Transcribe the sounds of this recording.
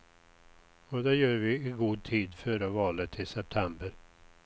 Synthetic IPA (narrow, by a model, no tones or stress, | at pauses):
ɔd̪ɛjœːɾvɪɪɡuːd̪̚t̪ʰiːd̪fœːɾavɑːlət̪ʰːɪsɛp̚t̪ʰɛmbəɾ